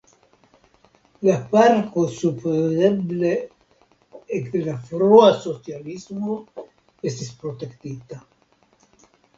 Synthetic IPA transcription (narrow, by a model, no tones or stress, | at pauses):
lapaɾkosupdeble | ekd̪elafɾoasosjalizmo | est̪espɾot̪ekt̪it̪a